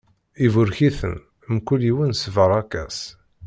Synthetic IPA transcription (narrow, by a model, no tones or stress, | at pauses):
ivʊɾçiθə̰n | mkuliwənsvəɾˤɑkæ̰s